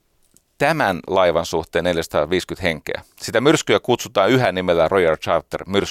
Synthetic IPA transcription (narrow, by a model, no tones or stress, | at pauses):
t̪æmænlɑiʋɑnsuht̪ˑeːne̞ljæsɑ̥t̪ɑːʋiːskynt̪heŋkḛæ̰ | sit̪æmyrskyækut̪sut̪ɑːnyɦænimelːærʔojɑrt͡ʃɑrt̪ːḛrmyrs